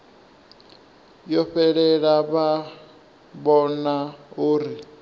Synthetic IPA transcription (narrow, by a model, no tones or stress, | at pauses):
jɔɸɛɺɛɺaβa | bɔnauːɾi